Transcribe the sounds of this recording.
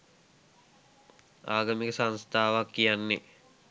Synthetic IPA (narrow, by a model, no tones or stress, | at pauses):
aːɡəmikəsanst̪ʰaːʋakːijanːe